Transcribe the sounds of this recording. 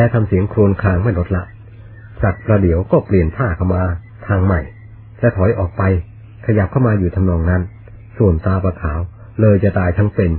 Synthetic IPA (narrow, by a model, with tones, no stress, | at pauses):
lɛː˦˥t̪ʰa˧msi˨˩˦əŋkʰɾu˧nkʰaː˧ŋma˥˩jlo˦˥t̪̚la˦˥ʔ | t͡ɕaː˨˩k̚pɾaː˧di˩˦əwkɔː˥˩pli˨˩ənt̪ʰaː˥˩kʰa˥˩wmaː˧ | t̪ʰaː˧ŋma˨˩j | t͡ɕa˨˩t̪ʰɔ˨˩˦jʔɔː˨˩k̚pa˧j | kʰa˧ja˨˩p̚kʰa˥˩wmaː˧juː˨˩t̪ʰa˧mnɔː˧ŋna˦˥n | su˨˩ənt̪aː˧pɾaː˧kʰaː˩˦w | lɤː˧jt͡ɕa˨˩t̪aː˧jt̪ʰa˦˥ŋpe˧n